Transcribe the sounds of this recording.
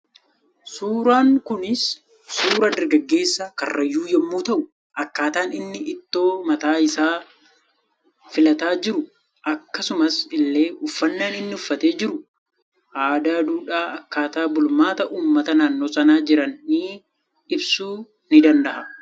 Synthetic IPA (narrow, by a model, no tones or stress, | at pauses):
suːɾaːŋkʊnɪsː | uːɾɐd̪ɐɾɡɐɡːe̞ːsːɐkɐ̰rːɐjːuːjɛmːuːt̪ɐʔʊ | ʔɐkːaːt̪aːnɪnːɪʔɪt̪ːo̞ːmɐt̪aːɪsaː | fɪlɐt̪aːd͡ʒɪɾʊ | ʔɐkːɐsʊmɐsɪlːe̞ːʊfːɐnːaːnɪnːɪʊfːɐt̪e̞ːd͡ʒɪɾʊ | ʔaːd̪aːd̪uːᶑaːɐkːaːt̪aːbʊlmaːt̪ɐʔuːmːɐt̪ɐnaːnːo̞ːsɐnaːd͡ʒɪɾɐnːiː | ɪbsuː | nɪd̪ɐnd̪ɐʔɐ